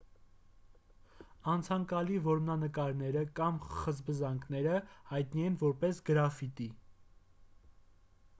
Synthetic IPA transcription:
ɑnt͡sʰɑŋkɑlivɔɾmnɑnəkɑɾn̪ɛɾəkɑmχəzbəzɑŋkʰnɛɾəhɑjt̪niɛnvɔɾpɛsɡəɾɑfit̪i

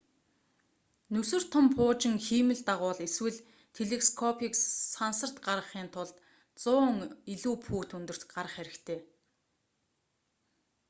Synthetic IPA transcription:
nɵsɵ̆r̥t̪ʰʊmpʰʊːt͡ɕɪ̆ŋxiːmɘ̆ɮt̪aʁʊːɮeswɘ̆ɮ | t̪ʰeɮeskʰɔpʰiːksansə̆r̥t̪ɢarʁə̆χiːnt̪ʰʊɮt̪ | t͡sʊːŋiɮuːpʰuːt̪unt̪ɵ̆r̥t̪ɢaɾə̆χæɾʲɪ̆kt̪ʰeː

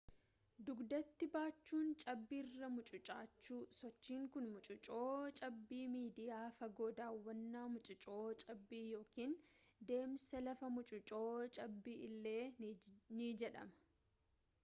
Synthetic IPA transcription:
d̪ʊɡd̪ɐt̪ːɪbaːt͡ʃːuːnt͡ʃʼɐbːiːrːɐmʊt͡ʃʼʊt͡ʃʼaːt͡ʃːuːsɔt͡ʃːiːŋkʊnmʊt͡ʃʼʊt͡ʃʼo̞ːt͡ʃʼɐbːiːmiːd̪ɪjaːfɐɡo̞ːd̪aːwːɐnːaːmʊt͡ʃʼʊt͡ʃʼo̞ːt͡ʃʼɐbːiːjo̞ːkiːnd̪e̞ːmsɐlɐfɐmʊt͡ʃʼʊt͡ʃʼoːt͡ʃʼɐbːiːʔɪlːe̞ːnid͡ʒɛᶑɐ̰mɐ̥

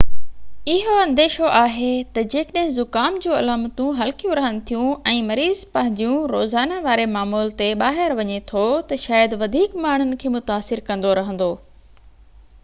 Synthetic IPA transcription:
ɪɦoɐ̃nd̪eːʃoʔaːɦet̪ɐd͡ʑeːkəɗə̃ɦɪ̃zʊkaːmd͡ʑũːɐlaːmət̪ũɦɐlkijũɾɐɦənɪ̆t̪ʰijũɛ̃ːmɐɾiːzpɐ̃ɦɪ̃ɲd͡ʑijũɾoːzaːnaʋaːɾemaːmuːlt̪eɓaːɦɪɾʋɐɲet̪ʰot̪ɐʃaːjəd̪ʋɐd̪ʱiːkmaːɳ̤ʊnɪ̆kʰeːmʊt̪aːsɪɾkɐ̃nd̪oɾɐɦə̃n̆d̪oː

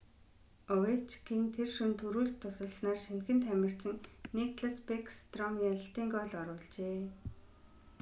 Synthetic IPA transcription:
ɔwet͡ɕkiːnt̪ʰerʃɵnt̪ʰɵɾuːɮ̆kt̪ʰːʊsə̆ɮsnaːrʃint̪ɡɘ̆nt̪ʰæmʲɪ̆r̥t͡ɕɪ̆nnikɮaspekst̪rɔmjaɮ̆ɬt̪iːŋkɔɮɔɾʊːɮt͡ɕeː

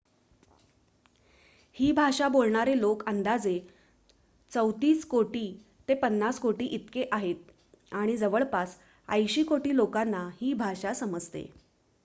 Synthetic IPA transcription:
hiːbʱaɕabolɳaɾelokənd̪ad͡ze | t͡səwt̪iːskoʈiː | t̪epənːaskoʈiːʔit̪keʔaɦet̪̚ | aɽ̃id͡zəʋəɭpas | ə̰jɕiːkoʈiːlokanːahiːbʱaɕasəməd͡zt̪ḛ

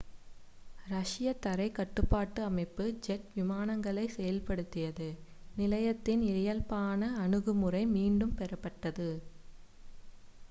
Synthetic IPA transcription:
ɾɐʂɪjɐt̪ːɐɾɐɪkɐʈːɯpːaːʈːɯɐmɐɪpːɯd͡ʒɛʈʋɪmaːnɐŋɡɐɭɐɪsɛjɐlpɐɽɯt̪ːɪjɐðɯ | nɪlɐjɐt̪ːɪnɪlɐjɐlpaːnɐːɳɯɣɯmɯrɐɪmiːɳɖɯmpɛɾɐpːɐʈːɐðɯ

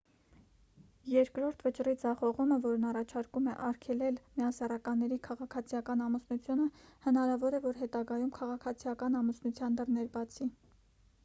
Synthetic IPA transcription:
jɛɾkɾɔɾt̪ʰvət͡ʃrid͡zɑχɔʁuməvɔɾnɑrɑt͡ʃʰɑɾkumɛʔɑɾkʰɛlɛlmijɑsɛrɑkɑnːɛɾikʰɑʁɑkʰɑt͡sʰijɑkɑnɑmusnut͡sʰjunəhənɑɾɑvɔɾɛvɔɾɦɛt̪ɑɡɑjumkʰɑʁɑkʰɑt͡sʰijɑkɑnɑmusnut͡sʰjɑnd̪ərnɛɾbɑt͡sʰi

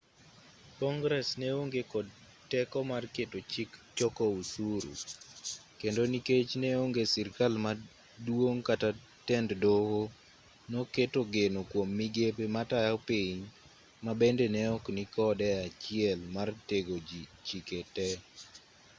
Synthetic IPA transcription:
kɔŋɡɾɛsneoŋɡekɔd | tɛkɔmarketot͡ʃikt͡ʃɔkɔusuɾṵ | kendoniket͡ʃneoŋɡesirkalma | dwoŋkata | tɛnddoho | noketoɡenokwomːiɡepematajapiɲ | mabendenɛɔknikɔdɛat͡ʃɪɛlmarteɡod͡ʒit͡ʃiketɛ

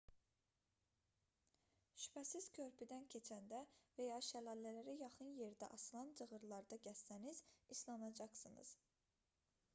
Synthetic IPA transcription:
ʃy̥pʰæsiz̥kʲʰøɾpʰid̪æncʰe̞t͡ʃʰænd̪ævæjɑːʃælɑlːælæɾijɑχɯnje̞ɾd̪æ̰ʔɑslˠɑnd͡ʒʰɯɣɯɾlˠɑɾd̪ɑɟæsːæniz̥islˠɑnɑd͡ʒɑχsɯnɯ̰z̥

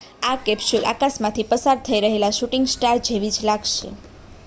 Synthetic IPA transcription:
akɛpsulʔa̰kasmãt̪ʰipəsaɾt̪ʰəiɾəɦelaʃuʈiŋɡsʈaɾd͡ʒʱeʋid͡ʒlaɡʃḛ

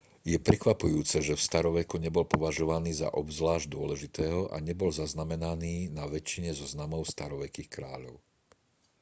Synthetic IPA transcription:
jɛpɾɛkʋapujuːt͡sɛʒɛfst̪aɾɔʋɛkuɲɛbɔlpɔʋaʒɔʋaniːza̰ʔɔbzʋlaːʒɟd̪ʊɔlɛʒit̪ɛːɦɔʔa̰ɲɛbɔlzaznamɛnaniːnaʋɛt͡ʃːiɲɛzɔznamɔʊst̪aɾɔʋɛkiːxkɾa̰ːʎɔʊ

